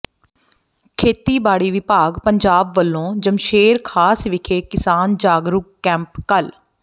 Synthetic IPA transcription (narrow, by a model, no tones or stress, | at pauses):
kʰeːt̪iːbaːɽiːʋɪpaːɡpəɲd͡ʒaːbʋəlːõːd͡ʒəmʃeːɾkʰaːsʋɪkʰeːkɪsaːnd͡ʒaːɡɾʊkːɛ̃ːmpkəl